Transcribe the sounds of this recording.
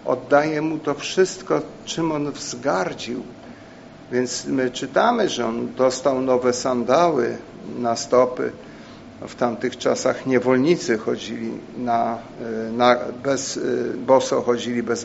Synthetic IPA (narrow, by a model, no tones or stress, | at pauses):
ɔ̰d̪ːajɛmut̪ɔfʂɘst̪kɔt͡ʂɘmɔnvzɡaɾd͡ʑiw | vʲjɛnt̪smɘt͡ʂɘt̪amɘʐɛɔnd̪ɔst̪awnɔvɛsand̪awɘ̰ | nast̪ɔpɘ̰ | ft̪amt̪ɘxt͡ʂasaxɲɛvɔlɲit̪sɘxɔd͡ʑilʲḭna | nabɛzbɔsɔxɔd͡ʑilʲibɛz